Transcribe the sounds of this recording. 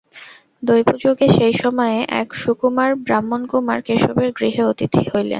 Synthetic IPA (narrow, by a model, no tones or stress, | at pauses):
d̪ojpud͡ʑoɡeʃejʃɔmɔeʔɛ̰kʃukumaɾbɾamːonkumaɾkeʃobeɾɡɾiɦeot̪it̪ʰihojlḛn